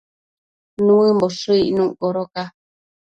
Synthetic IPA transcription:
nũɨ̃mbosuiʔnũʔkoɾoka

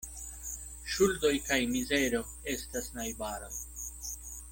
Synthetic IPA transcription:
ʃuldo̞jkajmize̞ɾo̞ | e̞stasnajbaɾo̰j

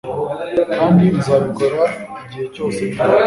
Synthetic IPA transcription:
kaːndiizaβiɡoɾaiɟiheco̞ːse

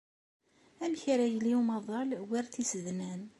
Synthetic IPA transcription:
æmçɾæjəlːiumɑðˤɑlwiɾθisəðnæn

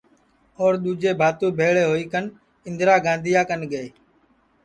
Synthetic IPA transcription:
oːɾɗ̪uːd͡ʒeːbʱaːt̪ũːbʱeːɭeːɦoːiːkən | ɪ̃nd̪ɾaːɡãːnd̪ʱɪjaːkənɠəeː

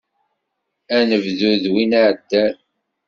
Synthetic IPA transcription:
ænəvðuðwinaʕəd̪ːæ

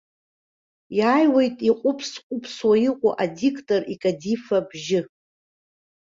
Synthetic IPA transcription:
jaːjwejtʼiqʷʼʊpʰsqʷʼʊpʰswaiqʷʼʊʔadikʰʼtʼorikʼadifabʒɪ

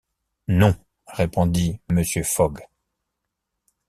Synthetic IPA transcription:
nɔ̃ | ʁepɔ̃d̪iməsjøfɔɡ

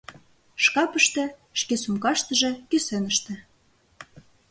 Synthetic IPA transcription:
ʃkɑpə̆ʃt̪ĕʃkesumkɑʃt̪ə̆ʒĕkysĕnə̆ʃt̪ĕ

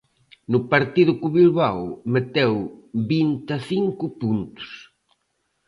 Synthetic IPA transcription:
nʊpaɾt̪iðʊkuβilβawmet̪ewbint̪aθiŋkʊpunt̪ʊ̥s

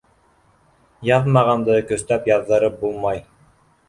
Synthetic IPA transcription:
jɑðmɑʁɑnd̪ɤkɵ̆st̪æpjɑðːɤ̆ɾɤp̚bulˠmɑj

